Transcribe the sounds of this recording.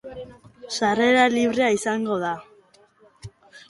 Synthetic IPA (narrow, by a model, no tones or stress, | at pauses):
sare̞ɾaliβɾe̞aisaŋɡo̞ða